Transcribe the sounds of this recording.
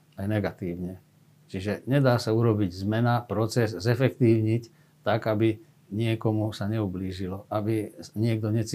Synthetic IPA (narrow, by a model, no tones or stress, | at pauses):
ajnɛɡat̪iːʊɲɛ | t͡ʃiʒɛɲɛd̪aːsauɾɔbiɟzmɛnapɾɔt͡sɛzːɛfɛkt̪iːʊɲic | t̪aɡabi | ɲɪɛkɔmusaɲɛubliːʒilɔʔabiɲɪɛɡ̚d̪ɔɲɛt͡si